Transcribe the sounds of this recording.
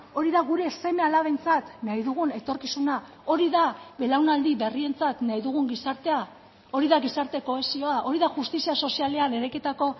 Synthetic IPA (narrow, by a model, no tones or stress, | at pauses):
o̞ɾiðaɣuɾe̞se̞me̞alaβejnt͡sat̪naiðuɣ̞une̞t̪o̞ɾkisuna | o̞ɾiðaβe̞lawnald̪iβe̞rie̞nt͡sat̪naiðuɣ̞uŋɡisaɾt̪e̞a | o̞ɾiðaɣisaɾt̪e̞ko̞esio̞aʔo̞ɾiðaʝust̪isiaso̞siale̞ane̞ɾajkit̪ako̞